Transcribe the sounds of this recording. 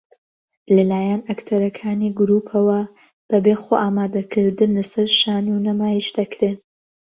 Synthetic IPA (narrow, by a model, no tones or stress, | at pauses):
lɐlaːjɛnɐkt̪ʰɐɾɐkʰaːniɡʊɾuːpʰɐwɐ | b̥ɐbexoːʔaːmaːd̪ɐkʰɨɾd̪ɨnlɐsɐɾʃaːnunɐmaːjiʃd̪ɐkɾeːn